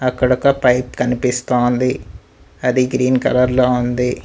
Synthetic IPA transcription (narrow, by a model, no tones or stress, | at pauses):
ɐkːɐɽɐkɐpɐjpkɐnipist̪oːnd̪i | ɐd̪iɡɾiːnkɐlɐɾloːund̪i